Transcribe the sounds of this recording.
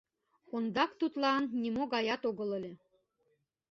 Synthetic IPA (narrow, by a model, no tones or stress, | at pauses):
kond̪ɑkt̪ut̪lɑnːimoɣɑjɑt̪oɣɤ̆lə̆lʲĕ